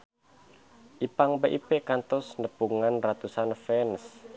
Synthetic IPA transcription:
ʔipaŋbeʔipekant̪ɔsnəpuŋanrat̪usanfɛns

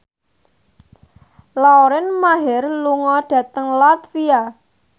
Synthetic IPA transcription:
laoɾɪnmaɦɪrluŋɔɖ̥ä̤t̪əŋlat̪fia

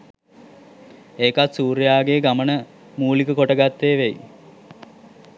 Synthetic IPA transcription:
eːkat̪suːɾjaːɡeɡamənə | muːlikəkoʈəɡat̪ːeːʋej

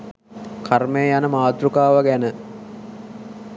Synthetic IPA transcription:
kʰarmejəjanəmaːd̪ɾukaːʋaɡænə

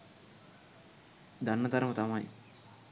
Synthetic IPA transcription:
d̪ʱɐnːɐd̪ɐɾmɐt̪ɐmaj̰

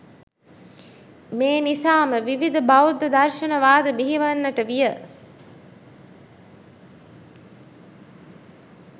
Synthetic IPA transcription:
meːnisaːməʋiʋid̪əbawd̪əd̪ɐrʃɐnəʋaːd̪əbiɦiʋɐnːəʈəʋijə

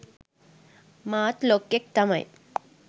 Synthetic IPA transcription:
maːt̪lokːek̚t̪ama̰j

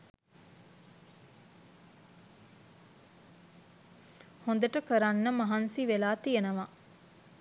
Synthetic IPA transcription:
hond̪əʈəkəɾanːəmɐɦɐnsiʋelaːt̪ijenɐʋa

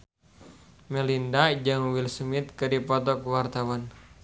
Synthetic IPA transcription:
mɛlindad͡ʒɨŋwilsmit̪̚kɨdipɔt̪ɔkwart̪awan

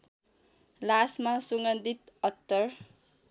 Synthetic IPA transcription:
lasmasuŋɡʌnd̪it̪ʌt̪ːʌr

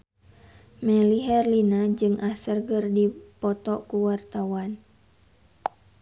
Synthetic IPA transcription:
mɛliɦɛrlinad͡ʒɨŋʔasərɡərdipɔt̪ɔkuwart̪awan

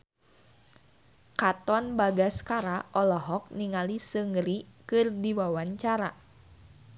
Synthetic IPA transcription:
kat̪ɔnbaɡaskaɾaʔɔlɔɦɔk̚niŋalisəŋəɾikɨrdiwawaɲt͡ʃaɾa

